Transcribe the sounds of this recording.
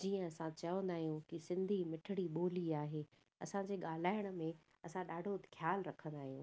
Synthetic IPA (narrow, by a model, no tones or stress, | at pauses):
d͡ʑiːə̃ɐsãt͡ɕɐə̃nd̪aːɦijũkisɪ̃nd̪ʱimɪʈʰɪɽiɓoːliaːɦeː | ɐ̰sãd͡ʑeːɠaːl̤aːɪɽ̃ə̆mẽ | ɐsãɗaːɖʱoxʰjaːlɾɐkʰə̃nd̪aːɦijũː